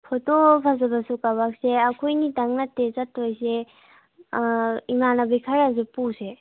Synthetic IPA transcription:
pʰɔtopʰazabasukabak̚seakʰojnidaŋnatːezatojse | imanabikʰaɾazɯpuse

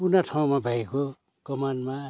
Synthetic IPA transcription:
punaʈʰaw̃mabʱajko | ɡ̥ʌmanma

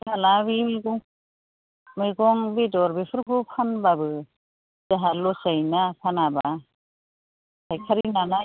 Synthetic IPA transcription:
balabimiɡɔŋ | mɯjɡɔŋbedɔɾbepʰɯɾbʰupʰanbabɯ | d͡ʒaɦalɔsajnapʰanaba | tʰajkʰaɾinana

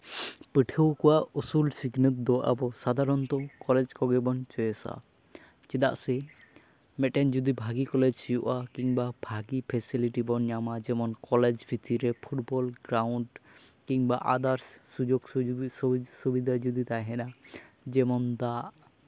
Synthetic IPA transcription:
piʈʰəwkɔwaʔusulsiɡnət̪̚d̪ɔʔa̰bɔsad̪ʱaɾɔnt̪ɔkɔled͡ʒkɔɡɛbɔnt͡ʃɔjɛsa̰ | t͡ʃɛd̪a̰ʔsɛ | mɛʈɛnd͡ʒud̪ibʱaɡikɔled͡ʒsijuʔakiŋbabʱaɡipʰɛsiliʈibɔnjamad͡ʒɛmɔnkɔled͡ʒbʱit̪iɾepʰuʈbɔlɡɾawɳɖ | kiŋbaʔa̰d̪aɾssud͡ʒoɡ | subid̪ʱad͡ʒud̪it̪aɦɛna | d͡ʒɛmɔnd̪aʔ

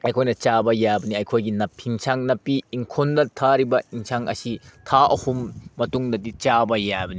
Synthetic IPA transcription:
ɐjkʰojnɐt͡ʃabɐjabɐniɐjkʰojɡinɐpʰːiŋsʰaŋnɐpːiːŋkʰondɐtʰaɾibɐiŋsʰaŋʔɐ̰sitʰaɐhumːɐtuŋdɐdit͡ʃabɐjabɐni

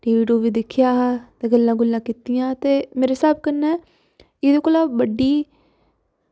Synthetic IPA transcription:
ʈiːʋiːɖjoːʋiːd̪ɪkʰːɪjaːɦt̪eːɡəlːãːɡʊlːãːkiːt̪ijãːt̪eːmeːɾeːsaːb̚kənːɛː | ɪd̪eːkoːlaːbəɖiː

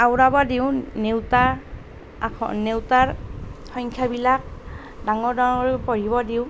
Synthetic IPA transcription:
awɹabɔdiwnewta | ɔ̰newtaɹxɔŋkʰjabilak̚ | daŋɔɹdɔɔɹpɔɹibɔdiʊ

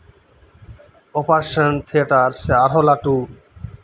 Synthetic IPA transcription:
opaɾʃənt̪ʰieʈaɾseaɾɦolaʈu

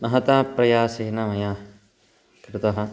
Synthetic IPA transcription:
mɐɦɐt̪aːpɾɐjaːseːnɐmɐjaː | kɾut̪ɐɦɐ̆

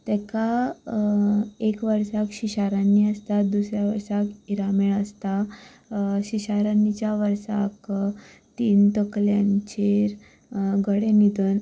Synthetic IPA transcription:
t̪ɛka | ekʋəɾsakɕiɕaɾanːiəst̪at̪d̪usɾjaʋəɾsakiɾameɭəst̪a | ɕiɕaɾanːit͡ɕjaʋəɾsa̰k | t̪iːnt̪əkljãɲt͡ɕeɾ | ɡəɽenid̪ʱən

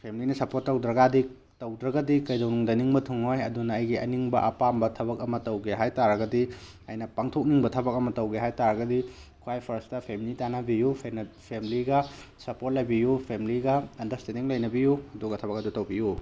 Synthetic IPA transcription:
pʰemilinɐsɐpotːɐwdɾɐɡadi | tɐwdɾɐɡɐdikɐjdɐwnuŋdɐniŋbɐtʰuŋojɐdunɐːjɡiɐ̰niŋbɐ̰ʔɐpambɐtʰɐbɐkɐmɐtɐwɡeɦajtaɾɐɡɐdi | ɐ̰jnɐpaŋtʰok̚niŋbɐtʰɐbɐk̚ɐmɐtɐwɡeɦajtaɾɐɡɐdikʰuwajpʰɐɾstɐpʰemilitanɐbijupʰenpʰemiliɡɐsɐpot̚lɐjbijupʰemiliɡɐːndɐsteniŋlɐjnɐbijuɐduɡɐtʰɐβɐk̚ɐdutɐwbiju

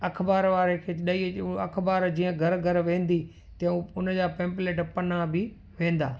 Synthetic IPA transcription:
ɐkʰbaːɾʋaːɾekʰeːɗɐiɐkʰbaːɾd͡ʑĩːə̃ɡʱɐɾɡʱɐɾʋẽːn̆d̪i | t̪ɐ̃ũʊnəd͡ʑaːpẽːmpleːʈpɐnabɪ | ʋẽːn̆d̪aː

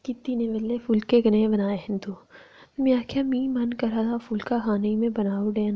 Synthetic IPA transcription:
kɪt̪ːineʋelːefulkeɡɐnẽbɐnaːeɦɛnd̪u | miakʰjamĩːmɐnkɐɾad̪afuːlkaɦaːneimẽbɐnaːuɖeːn

